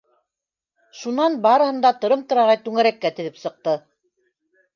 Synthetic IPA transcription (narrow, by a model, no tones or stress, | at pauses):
ʃunɑnbɑɾɤ̆hɤ̆nd̪ɑt̪ŏɾɤmt̪ŏɾɑʁɑjt̪ʉŋæɾækːæt̪ɘ̆ðɘpsɤ̆q̚t̪ɤ